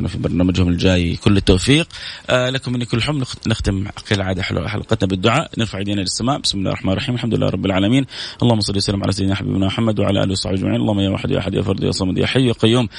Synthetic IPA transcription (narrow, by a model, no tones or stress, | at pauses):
nafibɑɾˤnaːmad͡ʒhʊmɪld͡ʒaːjkʊlːɪt̪ːaːfiːqlakʊmɪnːikʊlːħʊmːnɪxt̪ɪmqiːlʕaːd̪aħɪ̰lwa̰ħalqɑt̪nabɪd̪ːʊʕaːʔnɪɾfaʕajd̪iːnalɪsːamaːʔbɪsmɪla̰ːhlrˤɑħmanɾrˤːɑħiːmalħamd̪ʊlɪlːa̰ːɾˤɑbːɪlʕaːlamiːnʔɑlˤːɑːhʊmːɑsˤɑlːiwsalːɪmʕa̰lasajɪd̪naħabḭːbnamʊħamːad̪wɪʕa̰laʔa̰ːliwsˤɑħbiʔad͡ʒma̰ʕiːnʔɑlˤːɑhmːajawa̰ħɪd̪ja̰ʔaħɪd̪ja̰fɑɾˤd̪ˤja̰ʔsˤɑmd̪ja̰ħajjaqajːuːm